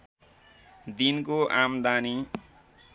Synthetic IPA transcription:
d̪inkoʔamd̪ani

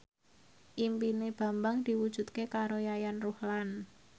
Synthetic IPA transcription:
ʔimpineb̥a̤mbaŋd̪̥i̤wud̥ʒ̥ṳt̪kekaɾojajanruhlan

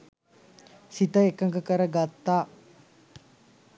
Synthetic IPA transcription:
sit̪ɐekɐŋɡɐkɐɾɐɡɐt̪ːaː

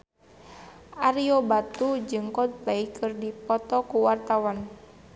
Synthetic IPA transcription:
ʔaɾiɔbat̪ud͡ʒɨŋkɔnt̪laikɨrdipɔt̪ɔkuwart̪awan

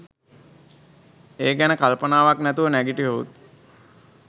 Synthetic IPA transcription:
eːɡænəkalpənaːʋaknæt̪uʋənæɡiʈiʋoṵt̪̚

